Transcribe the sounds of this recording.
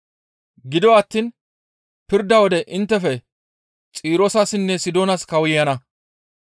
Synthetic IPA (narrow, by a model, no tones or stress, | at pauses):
ɡɪd̪ɔwːt̪ːiːn | pɪɾd̪ɐwɔd̪ɛʔɪnt̪ːɛfɛ | t͡sʼiːɾɔsɐsɪnːɛsɪd̪oːnɐskɐwʊjjɐnɐ